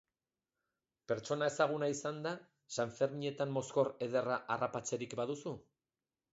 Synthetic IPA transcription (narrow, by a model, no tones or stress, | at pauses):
pe̞ɾt͡ʃo̞nae̞saɣ̞unaisand̪a | saɱfe̞ɾmie̞t̪ammo̞sko̞re̞ð̞e̞raʔarapat͡se̞ɾikbað̞usu